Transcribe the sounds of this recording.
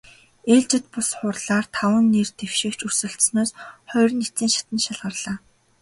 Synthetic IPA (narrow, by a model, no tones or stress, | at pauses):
eːɮt͡ɕɪ̆t̪̚pʊsχʊrɮaːrt̪ʰawə̆nːert̪ewʃɪ̆kt͡ɕusɘ̆ɬt̪snoːsχœjr̆net͡siːŋʃḁt̪ə̆nʃaɮʁə̆rɮ̥aː